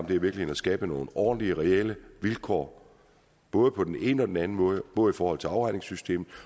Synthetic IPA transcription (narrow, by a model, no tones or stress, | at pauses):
md̥e̝æɐʋiɐɡ̥lihenæsɡ̥ɛːb̥əno̝̰ːnɒ̰ːdn̩liəʁɛeləʋilkʰɒ̰ː | b̥ɔ̽ːð̞əpʰɒ̽d̥ene̝ːnəɒ̽d̥enænn̩mɔ̽ːð̞ˠəb̥ɔ̽ːð̞̩ˠifɒːhɒ̽l̰t͡sʰe̝ɑ̈ʊʁɑ̈ɪne̝ŋsysd̥e̝̰ːmð̩ˠ